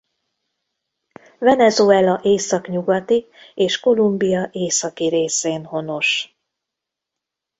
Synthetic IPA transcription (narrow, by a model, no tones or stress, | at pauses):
vɛnɛzoɛlɒʔeːsɒkɲuɡɒt̪i | eːʃko̞lumbijɒʔeːsɒkiɾeːseːnho̞no̞ʃ